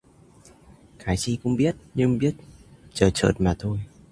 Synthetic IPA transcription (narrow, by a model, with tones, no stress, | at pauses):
kaː˨˦jt͡ɕi˧kʊ̰˧˥ŋ͡mɓi˦˥ət̚ɲɨ˧ŋɓi˦˥ət̚t͡ɕəː˧˩t͡ɕə̰ː˧˩t̚maː˨˩t̪ʰo˧j